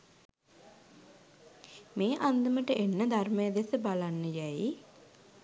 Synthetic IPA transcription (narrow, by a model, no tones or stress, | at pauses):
meːʔand̪əməʈəʔenːəd̪armejəd̪esəbalanːəjæji